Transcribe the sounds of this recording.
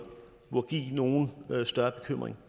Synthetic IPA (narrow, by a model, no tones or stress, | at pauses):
ʋ̥uɐɡ̥ḭːno̝ːn̩sd̥ɶɐb̥e̝kʰøm̰ʁḛŋ